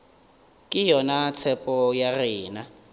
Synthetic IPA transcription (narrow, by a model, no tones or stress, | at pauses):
kʼɪjɔnat͡sʰɛpʼɔjarɪːna